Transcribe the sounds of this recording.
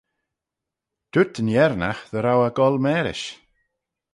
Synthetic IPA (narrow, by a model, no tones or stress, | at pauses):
d̪̥ʊtʰənjɛɾnaxðəɾawaɡɔlˠmɛːɾɪ̰ʃ